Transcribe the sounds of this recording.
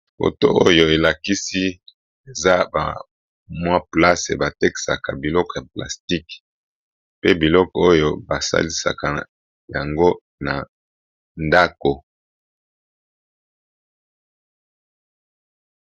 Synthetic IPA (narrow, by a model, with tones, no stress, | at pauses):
fo̰˨to̰˦o˦jo˨e˨la˨ki˦si˦ | e˨za˦ba̰˨ | mwa˦pla˦sḛ˨ba˨te˦ki̥˨sa˨ka˨bi˨lɔ˦kɔ˨ja˨pla̰˨sti˦k | pe˦bi˨lɔ˦kɔ˨o˦jo˦ba˨sa̰˦li˦sa̰˨ka˨ | ja˨ŋɡo˦ | na˨ | nda˦ko˨